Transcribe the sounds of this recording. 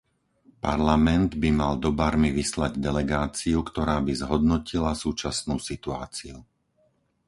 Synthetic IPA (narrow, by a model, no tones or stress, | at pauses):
pa̰ɾlamɛnd̪bimald̪ɔbaɾmiʋislaɟd̪ɛlɛɡaːt͡siukt̪ɔɾaːbizɦɔd̪nɔcilasuːt͡ʃasnuːsit̪ua̰ːt͡siu